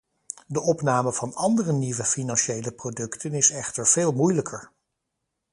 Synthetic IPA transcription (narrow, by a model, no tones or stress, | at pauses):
dəʔɔpnaːməv̥ɑnɑndərəniʋəfinɑnʃejləprodɵktʰənɪsɛχtəɹv̥eːlˠmujləkʰəɹ